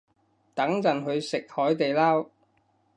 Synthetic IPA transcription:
t̪ɐ˨˥ŋt͡sɐ˨˩nɦɵ˨˧ɥsɪ˨k̚hɔː˨˥jt̪e˨jlaː˥w

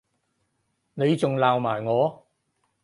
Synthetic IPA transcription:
ne˨˧jt͡sʊ˨˩ŋlaː˨wmaː˨˩jŋɔː˨˧

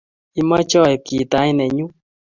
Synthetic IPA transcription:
i˦ma˦t͡ʃɔ˦˨ɛ˨ki˨ta˨˦i˦nɛ˨ɲu˦

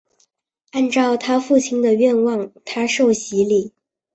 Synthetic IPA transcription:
a˥˧nʈ͡ʂɑ˥˩ʊt̪ʰa˥fu˥˩t͡ɕʰi˧˥nd̪ə˧ɥɛ˥˧nwɑ˥˩ŋt̪ʰa˥ʂo˥˩ʊɕi˧˥li˥˩

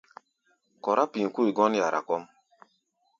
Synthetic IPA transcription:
kɔ˨ɾʔa˦pĩ˨ku˦i˨ɡɔ˦n˦ja˨ɾʔa̰˨kɔ˦m

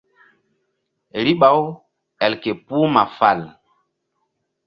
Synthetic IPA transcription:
ɾi˦ɓa˨˦w | ɛ˨lke˨pu˦ma˨fa˨l

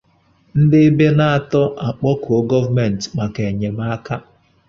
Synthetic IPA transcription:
n̩˦dɪ˦be˦na˦a˦˨tɔ˦a˨k͡pɔ˦ko˦ɡɔ˦va˦me˨n̩˨tma˨ke˨ɲe˨m˦a˦ka˦

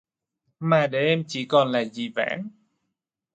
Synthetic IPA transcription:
maː˨˩ɗe˨˦ʔɛ˧mt͡ɕi˧˩kɔ˨˩nlaː˨˩zi˨˩va̰ː˧˥n

